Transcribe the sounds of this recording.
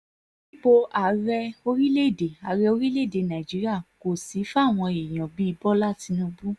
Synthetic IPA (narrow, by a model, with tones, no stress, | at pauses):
i˦k͡po˧ʔa˨ɾɛ˧o˧ɾi˦le˦˨de˨a˨ɾɛ˧o˧ɾi˦le˦˨de˨nã˨d͡ʒi˨˦ɾi˦a˦˨ko˨si˨˦fa˦˨w̃ɔ̃˧e˨j̃ɔ̃˨bi˨˦i˧bɔ˦la˦˨ti˧nũ˧bu˦